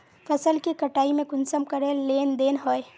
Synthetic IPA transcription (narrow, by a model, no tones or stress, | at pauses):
fʰɐsəlkikɐʈaːimẽkʊnsəmkɐɾẽleːnd̪eːnɦoːe